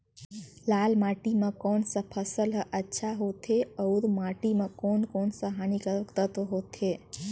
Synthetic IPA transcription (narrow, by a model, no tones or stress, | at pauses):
lalmaʈimãkonsəpʰəsəlɦəʔətːʃʰaɦot̪ʰeəuɾmaʈimãkonkonsəɦanikəɾəkt̪ət̪oɦot̪ʰe